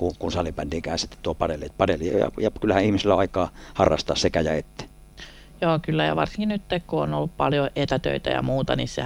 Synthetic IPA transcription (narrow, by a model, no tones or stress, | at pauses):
kukunsɑlipændiːkæːˑensit̪ːe̥t̪t̪uopɑdelːepɑdelḭjɑ̰jɑkylːæhæʔihmisilːæɑˑikɑːhɑrːɑ̰st̪ɑːssekæjɑet̪ːe̥ | joːkylːæjɑ̰ʋɑrsiŋkinyt̪ːekkuo̰nolːuppɑljoʔet̪æt̪ø̰it̪æ̰jɑ̰muːt̪ɑnissḛ